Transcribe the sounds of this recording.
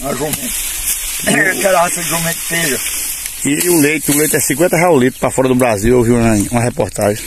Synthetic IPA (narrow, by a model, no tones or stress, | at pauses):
ɐʒomẽt̪ | kɛɾasɐʒomẽt̪̚t̪eʒɐ | iulejt̪ulejt̪ɛsĩkwẽt̪ɐɦɛawlit̪ʊ̥pɾafɔɾɐd̪ʊbɾaziwowviũũɐhɛpɔɾt̪aʒẽ